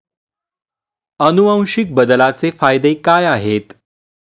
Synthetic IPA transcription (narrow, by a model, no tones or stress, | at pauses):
ənuə̃w̃ʂik̚bəd̪əlat͡sefajd̪ekajaɦet̪